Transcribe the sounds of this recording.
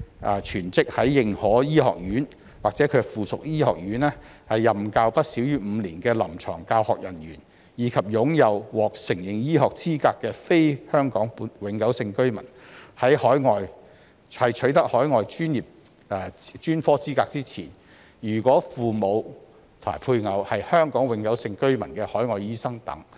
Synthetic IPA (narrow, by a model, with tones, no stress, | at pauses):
ʔɛː˧t͡ʃʰyː˨˩nt͡sɪ˥k̚hɐ˨˥jːɪ˨ŋhɔː˨˥jiː˥hɔ̰ː˨k̚jyː˨˥n | waː˨k̚t͡sɛː˨˥kʰɵ˧fuː˨sʊ˨k̚jiː˥hɔ̰ː˨k̚jyː˨˥nɛː˥ | hɐ˨jːɐ˨˩mkaː˧wpɐ˥t̚siː˨˥wjyː˥m̩˨˧liː˨˩nkɛː˧lɐ˨˩mt͡ʃʰɔ̰ː˨˩ŋkaː˧whɔ̰ː˨k̚jɐ˨˩njyː˨˩n | jiː˨˥kʰɐ˨p̚jʊ˨˥ŋjɐ˨˧wwɔː˨k̚sɪ˨˩ŋjɪ˨ŋjiː˥hɔː˨k̚t͡siː˥kaː˧kːɛː˧fe˥jhœː˥ŋkɔː˨˥ŋpːwɪ˨˥ŋkɐ˨˥wsɪ˧ŋkɵ˥ɥmɐ̰˨˩n | hɐ˨˥jhɔː˨˥jŋɔː˨j | hɐ˨jt͡ʃʰɵ˨˥ɥt̪ɐ˥k̚hɔː˨˥jŋɔː˨jt͡ʃyː˥njiː˨p̚ | ɛ˧t͡ʃyː˥nfɔː˥t͡siː˥kaː˧k̚t͡siː˥t͡sʰḭː˨˩n | jyː˨˩kʷɔː˨˥fuː˨mo˨˧w | t̪ʰo˨˩ma̰ː˨˩jpʰuː˧jŋɐ˨˧whɐ˨jhœː˥ŋkɔː˨˥ŋwɪ˨˧˥ŋkɐ˨˥wsɪ˧ŋkɵ˥ɥmɐ˨˩nkɛː˧hɔː˨˥jŋɔː˨jiː˥sɐ˥ŋt̪ɐ̰˨˥ŋ